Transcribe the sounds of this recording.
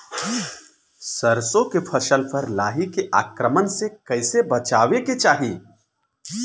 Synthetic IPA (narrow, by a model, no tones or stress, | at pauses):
sɐɾsõkepʰɐʃəlpɐɾlaːɦikeʔa̰ːkɾəmənsekɐɪsebɐt͡ʃaːʋeket͡ʃaːɦiː